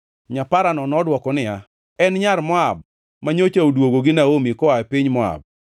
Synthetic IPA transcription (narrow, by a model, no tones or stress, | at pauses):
ɲapaɾanɔnɔdwɔkɔnɪa | ɛnɲaɾmɔab̚ | maɲot͡ʃaodwoɡoɡɪnaomikɔapɪɲmɔa̰b̚